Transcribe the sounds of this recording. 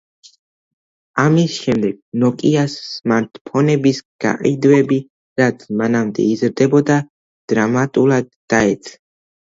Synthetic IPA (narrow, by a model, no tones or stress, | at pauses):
amisʃɛmd̪ɛɡ̥̚nɔkʼiasːmaɾt̪ʰpʰɔnɛbisɡ̥a̰qʼid̪wɛbi | ɾat̪sʰmanamd̪ɛ̰izɾd̪ɛbɔd̪a | d̪̥ɾamat̪ʼulˠad̪ːaɛt̪sʰʼa